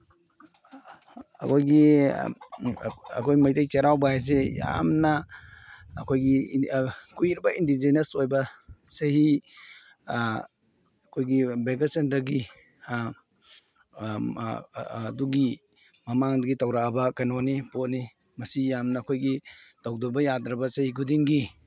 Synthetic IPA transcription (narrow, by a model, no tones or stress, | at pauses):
ɐkʰojɡi | ɐ̰kʰojmajtajt͡ʃeɾawbɐhajs̬eja̰mnɐː | kʰojɡi | kuiɾibɐindid͡ʒenɐsojbɐsɐhi | kʰojɡibeɡasentɐɾɡi | duɡi | mɐmaŋdɐɡitɐwɾabɐkanonipotni | mɐsijamnɐːkʰojɡitawdɔbɐjadɾɐbɐsɐhiɡudiŋɡi